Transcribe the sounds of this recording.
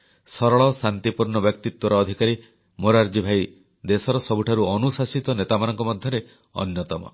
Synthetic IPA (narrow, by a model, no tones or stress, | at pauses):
sɔɾɔɭɔsant̪ipuɾɳɔbjɔkt̪it̪wɔɾɔːd̪ʱikaɾi | moɾaɾd͡ʒibʱaj | d̪esɔɾɔsɔbuʈʰaɾuɔnusasit̪ɔnet̪amanɔŋkɔmɔd̪ʱjɔɾe | ɔ̰njɔt̪ɔmɔ̰